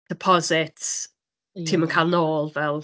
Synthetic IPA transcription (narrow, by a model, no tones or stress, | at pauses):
d̥ɪpʰɔzɪtsʰ | iːmankʰaːlˠnoːlˠvɛlˠ